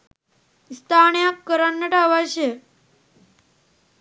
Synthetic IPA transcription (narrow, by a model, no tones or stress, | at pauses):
ist̪ʰaɳjakːəɾanːəʈaʋaɕe